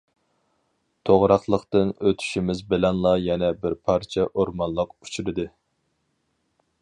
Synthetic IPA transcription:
t̪ʰoʁɾɑχlˠəqt̪ɨnøt̪ʰy̥ʃimɪzbɪlɛnlˠɑjɛnɛbɪɾpʰɑɾt͡ʃʰɛʔoɾmɑnlˠəqu̥t͡ʃʰuɾɨd̪ɨ

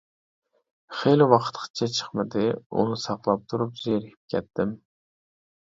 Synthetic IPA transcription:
χejlɪwɑqʰə̥t̪qʰə̥t̪̚t͡ʃʰɛt͡ʃʰə̥χmɪd̪ɪṵnɨsɑqlˠɑp̚t̪ʰuɾupzeɾɪkʲʰi̥p̚kʲʰɛt̪ːɪm

